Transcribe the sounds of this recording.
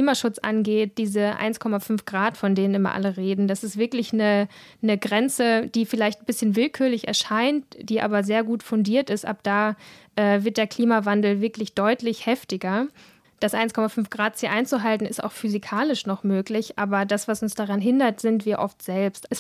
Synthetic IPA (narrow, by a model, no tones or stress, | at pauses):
liːmaʃʊt͡sʔa̰nɡeːt̚d̥iːzəʔa̰ɪnskʰɔmafʏnfɡ̥ʁaːtfɔndeːnənʔɪmɐ̰ʔa̰ləʁeːdn̩d̥asɪstv̥ɪɐklɪçnə | nəɡʁɛnt͡səd̥iːfɪlaɪçtn̩bɪsçənvɪlkʰyːɐlɪçɛ̰ɐʃaɪntd̥iːʔa̰ːbɐzeːɐɡuːtfʊndiːɐtɪstʔa̰p̚d̥aːʔɛːvɪɐt̚d̥eːɐkʰl̥iːmavandl̩vɪɐklɪçd̥ɔʏtlɪçhɛftɪɡɐ | d̥asʔa̰ɪnskʰɔmafʏnfɡ̥ʁaːtz̥iʔaɪnt͡suɦaltn̩ɪsta̰ʊxfyzikʰaːlɪʃnɔχmøːklɪçʔa̰ːbɐdasv̥asʊnsd̥aʁanɦɪndɐtz̥ɪntv̥iːɐʔɔftz̥ɛlpstɛs